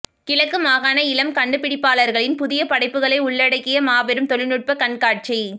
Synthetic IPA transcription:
kɪlɐkːɯmaːɣaːnɐɪlɐmkɐɳɖɯpːɪɽɪpːaːɭɐɾɣɐɭɪnpʊðɪjɐpɐɽɐɪpːɯɣɐɭɐɪʊɭːɐɽɐɪkːɪjɐmaːʋɛɾɯmt̪ɔɭɪnɯʈ̚pɐkɐɳkaːʈ̚t͡ʃi

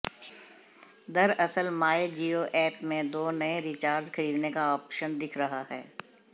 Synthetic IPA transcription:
d̪ɐɾɐsəlmaːed͡ʒiːoʔɛːʈmẽd̪oːnɐẽɾiːt͡ʃaːɾd͡ʒkʰɐɾiːd̪nekaɔːpʃənd̪ɪkʰɾɐɦaɦɛ̰ː

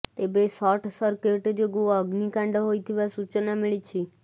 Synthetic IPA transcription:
t̪ebesɔʈʰsɔɾkeʈd͡ʒoɡuɔɡnikaɳɖɔɦojt̪ʰiʋasut͡ʃɔnamiɭit͡ʃʰi

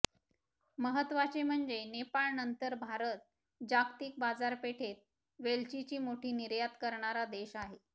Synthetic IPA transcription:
məɦət̪ʋat͡ɕem̤əɳd͡zenepaɭnənt̪əɾbʱaɾət̪̚ | d͡ʑakt̪iːk̚bad͡zaɾpeʈʰet̪̚ | ʋelt͡ɕit͡ɕiːmoʈʰiːniɾjat̪kəɾɳaɾad̪eɕaɦe

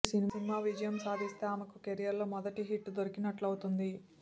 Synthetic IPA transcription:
siniinimaːʋid͡ʒɐjɐmsaːd̪ʱist̪eamɐkukeɾijɐɾloːmɔd̪ɐʈiɦiʈːd̪oɾikinɐʈlɐwut̪und̪i

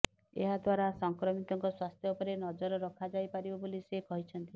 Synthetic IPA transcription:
ḛɦad̪waɾasɔŋkɾɔmit̪ɔŋkɔswast̪ʰjɔupɔɾenɔd͡ʒɔɾɔɾɔkʰad͡ʒajpaɾibɔbolisekɔɦit͡ʃʰɔnt̪i

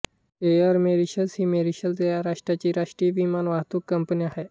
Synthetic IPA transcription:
eaɾmeɾiɕəlshiːmeɾiɕəld͡zejaɾaʂʈɾjat͡ɕiːɾaʂʈɾiʋimanʋaɦt̪uːkːəmpəniaɦe

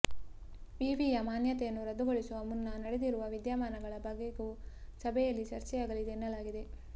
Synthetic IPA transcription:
ʋiːʋiːjɐmaːnjɐt̪ɛjɐnːuɾɐd̪uɡoɭisuɐmunːɐnɐɽed̪iɾuʋɐʋid̪jaːmaːnɐɡɐɭɐbɐɡːeɡuːsɐbɛjɐlːit͡ʃɐɾt͡ʃɛjaːɡɐlid̪enːɐlaːɡid̪e̞

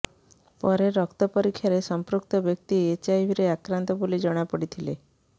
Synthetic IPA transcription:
pəɾeɾəkt̪əpəɾikʰːjaɾesəmpɾuk̚t̪əbjək̚t̪iet͡ɕaiʋʱiɾeakɾant̪ɔbulid͡ʒəɳ̃japəɽit̪ʰile

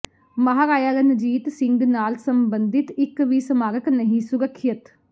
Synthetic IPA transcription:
məɦaːɾaːjaːlənəd͡ʒiːt̪sɪ̃ŋɡnaːlsəmbənd̪ɪt̪ɪkʋiːsəmaːɾəknəɦĩːsʊɾəkʰːət̪

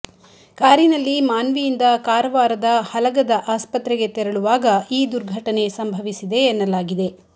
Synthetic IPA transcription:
kaːɾinɐlːimaːnʋijind̪ɐkaːɾɐʋaːɾɐd̪ɐhɐlɐɡɐd̪ɐʔaːspɐt̪ɾɛɡe̞t̪ɛɾɐɭuʋaːɡɐiːd̪uɾɡʱɐʈɐne̞sɐmbʱɐʋisid̪e̞ːnːɐlaːɡid̪e̞

